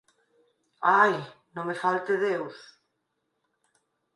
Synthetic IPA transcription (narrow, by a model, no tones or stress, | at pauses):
aj | nõŋmefalt̪eðews